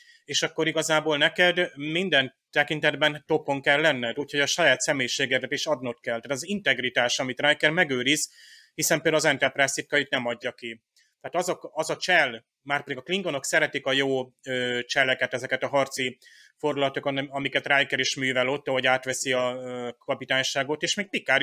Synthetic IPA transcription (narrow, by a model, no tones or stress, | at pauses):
eːʃɒkːo̞ɾiɡɒzaːboːlnɛkɛd̪mind̪ɛnt̪ɛkint̪ɛd̪bɛnt̪o̞pːo̞ŋkɛlːɛnːɛd̪uːcho̞ɟɒʃɒjaːt̪sɛmeːjiʃeːɡɛk̪ɛt̪eʃɒd̪not̪kɛlt̪aːt̪zint̪ɛɡrit̪aːʃɒmit̪rajkɛrmɛɡøːɾiz | hisɛmpeld̪lɒzɛnt̪ɛrprasit̪kːɒjit̪nɛmɒɟːɒki | t̪ɛaːt̪ɒzokɒzɒt͡ʃɛl | maːrtpɛd̪iɡɒkliŋɡono̞ksɛɾɛt̪ikɒjoːøːt͡ʃɛlːɛkɛt̪ɛzɛkɛt̪ɒɦɒrt̪si | fo̞rulɒt̪okɒt̪ɒmikɛt̪rajkɛɾeːʃmyːvɛlo̞t̪ːɒɦo̞ɟaːt̪ʋɛsiɒkʰɒpit̪aːɲʃaːɡo̞t̪eːʃmeːk̚pikːaːɾ